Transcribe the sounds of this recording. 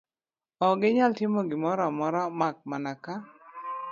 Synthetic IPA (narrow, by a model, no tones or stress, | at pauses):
ɔɡɪɲaltɪmoɡɪmɔɾamɔɾamak̚manaka